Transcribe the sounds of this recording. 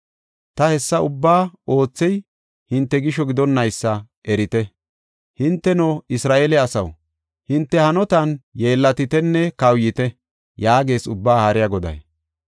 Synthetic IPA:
t̪ɐhɛsːɐʊbːaːo̞ːt͡sːɛj | hɪnt̪ːɛɡɪʃɔɡɪd̪ɔnːɐjsːɐ | ʔɛɾɪt̪ɛ | hɪnt̪ːɛnɔɪsɾaːʔelɛɐsɐ̰w | hɪnt̪ːɛhɐnɔt̪ɐnje̞ːlːɐt̪ɪt̪ɛnːɛkɐwjɪt̪ɛ | jaːɡe̞ːsʊbːaːhɐɾɪjɐɡɔd̪ɐ̰j

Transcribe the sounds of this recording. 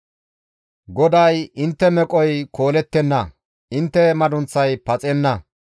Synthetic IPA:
ɡɔd̪ɐjɪnt̪ːɛmɛkʼɔjkʰo̞ːlɛt̪ːɛnːɐ | ɪnt̪ːɛmɐd̪ʊnt͡sːɐjpɐt͡sʼɛnːɐ

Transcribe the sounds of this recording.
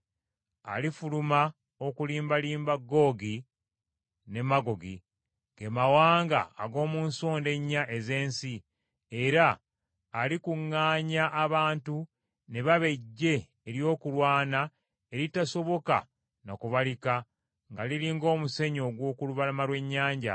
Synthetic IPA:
a̰lifuluma | okuliːmbaliːmbaɡːo̞ɡi | ne̞maɡo̞ɡi | ɡemawaːŋɡa̰ːɡo̞ːmuːnsoːnde̞ɲːaʔe̞ze̞ːnsi | eɾaː | likuŋːaːɲaʔːβaːntu | ne̞βaβe̞ɟːe̞ː | ɾjo̞ːkulwaːna | e̞ɾitaso̞βo̞ka̰ | nokuβalika | ŋɡaliliːŋɡo̞ːmuse̞ɲo̞ɡwo̞ːkuluβalamalwe̞ɲːaːɲɟa̰

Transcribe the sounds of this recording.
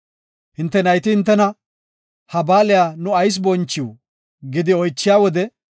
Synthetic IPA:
hɪnt̪ːɛnɐjt̪ɪhɪnt̪̬ːɛnɐ | hɐbaːlɪjanʊɐjs̬bɔnt͡ʃːɪw | ɡɪd̪ɪɔjt͡ʃːɪjaːwɔd̪ɛ

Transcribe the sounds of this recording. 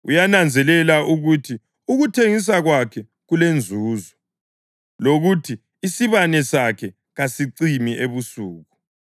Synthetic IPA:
ujanand͡zʱɛlɛlaʔuɣutʰi | uɣutʰeŋis̬aɣwakʰɛ | ɣulend͡zʱuːzɔ | loɣutʰiː | siβanɛsakʰɛ | ɣasiǀimiʔeβusuːɣu

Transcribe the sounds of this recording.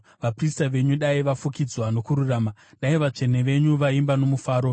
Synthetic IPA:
ʋapristaʋe̞ɲuɗaiʋafukid͡zwano̞kuɾuraːmaɗaiʋat͡ʂe̞ne̞ʋe̞ɲuʋaimbano̞mufaːɾo̞

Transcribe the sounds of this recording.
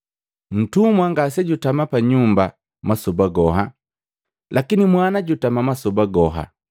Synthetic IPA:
n̩tumwaŋɡasɛɟutamapaɲumba | masɔbaɡɔɦa | lʔakinimwanaɟutamamasɔbaɡɔɦa̰

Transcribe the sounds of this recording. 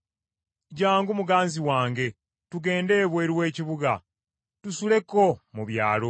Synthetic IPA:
ɟaːŋɡumuɡaːnziwaːŋɡe̞ | tuɡe̞ːnde̞ːβwe̞ːɾiwe̞ːciβuɡa̰ | tusule̞ko̞muβja̰ːlo

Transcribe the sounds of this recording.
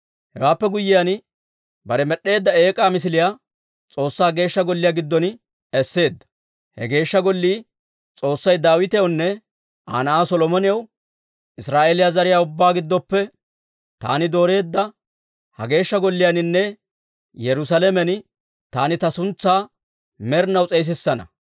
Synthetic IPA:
hɛ̰waːpːɛɡʊjːɪjan | bɐɾɛmɛɗe̞ːd̪ːɐe̞ːkʼaːmɪs̬ɪlɪjaː | t͡sʼo̞ːsːaːɡe̞ːʃːɐɡɔlːɪjaɡɪd̪ːɔn | ɛsːe̞ːd̪ːɐ̥ | hɛ̰ɡe̞ːʃːɐɡɔlːiː | t͡sʼo̞ːsːɐjd̪aːwɪt̪ɛjɐwnːɛ | ʔa̰ːnɐʔaːsɔlɔmɔnɪjɐw | ʔɪsɾaːʔelɪjazɐɾɪjaːʊbːaːɡɪd̪ːɔpːɛ | t̪a̰ːnɪd̪o̞ːɾe̞ːd̪ːɐ | hɐ̰ɡe̞ːʃːɐɡɔlːɪjanɪnːɛ | jɛɾʊs̬ɐlɛmɛn | t̪aːnɪt̪ɐsʊnt͡sːaː | mɛɾnɐwt͡sʼɛjs̬ɪsːɐnɐ̰

